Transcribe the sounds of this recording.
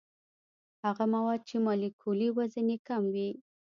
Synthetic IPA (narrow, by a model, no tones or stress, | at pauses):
haɣamawɑd̪̚t͡ʃemɑlikʰoliwazənekamwi